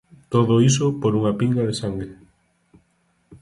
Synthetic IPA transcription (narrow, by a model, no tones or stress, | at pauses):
t̪oðois̬opoɾuŋapiŋɡaðesaŋɡɾe